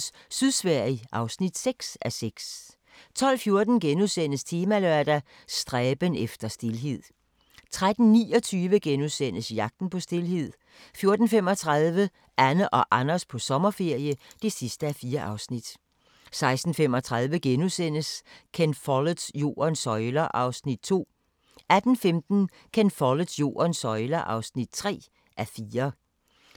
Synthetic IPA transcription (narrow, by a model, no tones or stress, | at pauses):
s | syðˠsʋæɐ̰iʔɑ̈ʊsnid̥seɡ̥sæseɡ̥s | t͡sʰɒ̽l̰fjo̝ɐd̥n̩ɡ̥enuðˠsen̰əst͡sʰe̝ːmælœɐ̰d̥æ | sd̥ʁɛːb̥ənefd̥ɐsd̥e̝lɦe̝ð̞̰ˠ | t͡sʰʁad̥n̩niːɒ̽t͡sʰyːʋəɡ̥enuðˠsen̰əsjɑ̈ɡ̥̚d̥n̩pʰɒ̽sd̥e̝lɦe̝ð̰ˠ | fjo̝ɐd̥n̩fem̰ɒ̽t͡sʰʁaðˠʋə | ʔænəʔɒ̽ʔɑnɐspʰɒ̽sɒ̽mɐfe̝ɐ̰jəd̥e̝sisd̥əæfiːɐʔɑ̈ʊsnid̥ | sɑ̈ɪsd̥n̩fem̰ɒ̽t͡sʰʁaðˠʋəɡ̥enusen̰əskʰenfɒlə̥sjo̝̰ːɐnsɒ̽ɪlɐʔɑ̈ʊsnid̥t͡sʰo̝̰ː | æd̥n̩femd̥n̩ | kʰenfɒlə̥sjo̝̰ːɐnsɒ̽ɪlɐʔɑ̈ʊsnid̥t͡sʰʁɛ̰ː | ʔæfiːɐ